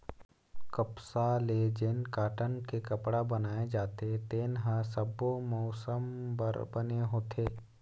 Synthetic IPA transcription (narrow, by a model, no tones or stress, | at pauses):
kəpsaleːd͡ʒenkaːʈənkekɐpɽabənaːed͡ʒaːt̪et̪eːnɦasəbomɔːsəmbəɾbəneɦoːt̪ʰeː